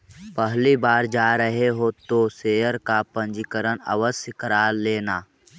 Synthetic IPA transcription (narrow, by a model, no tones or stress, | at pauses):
pəɦlibaːɾd͡ʒaːɾəɦeɦoːt̪oseːəɾkapə̃nd͡ʒikəɾənə̰ʋəskəɾaːleːnaː